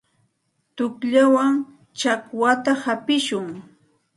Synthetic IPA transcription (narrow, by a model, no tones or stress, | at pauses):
t̪ʊkʎawaŋ | t͡ʃakwat̪ahapɪʃʊŋ